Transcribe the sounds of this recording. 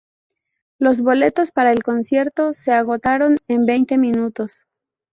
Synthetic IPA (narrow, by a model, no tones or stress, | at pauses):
lo̞zβo̞le̞t̪o̞spaɾaelko̞nsje̞ɾt̪o̞se̞aɣo̞t̪aɾo̞ne̞mbe̞jnt̪e̞mĩnut̪o̞s